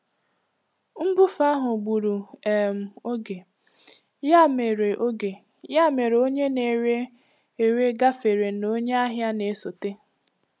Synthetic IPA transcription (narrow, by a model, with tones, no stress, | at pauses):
m̩˦bʊ˦fa˦ɦʊ˨ɡ͡bu˨ɾu˨e˨m̩˨o˦ɡe˨ | ja˦me˨ɾe˨ʔo˦ɡe˨ | ja˦me˨ɾo˦ɲe˦ne˨ɾe˦ | e˨ɾe˦ɡa˦fe˨ɾe˨no˦ɲe˦a˦ɦja˦ne˨e˦so˨te˦